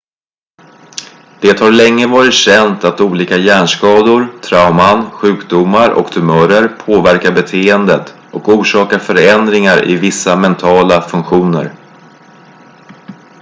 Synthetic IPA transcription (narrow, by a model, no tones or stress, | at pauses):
d̪̥eːt̪haɾɭɛŋːəvɑːɾɪt̪ɕɛnt̪at̪uːliːkajæːɳʂkɑːd̪ʊɾt̪ʰɾaʊmanɧʉ̟ːkd̪ʊmaɾɔ̰kt̪ʰɵmœːɾəɾpʰoːvæɾkabɛt̪ʰeːənd̪ət̪ | ɔkuːʂɑːkaɾfœɾɛnd̪ɾɪŋaɾʔɪ̰vɪsːamɛnt̪ʰɑːlafɵŋkɧuːnə̰ɾ